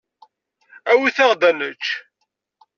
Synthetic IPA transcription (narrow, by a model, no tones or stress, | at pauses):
æwiθɑʁd̪ænət͡ʃː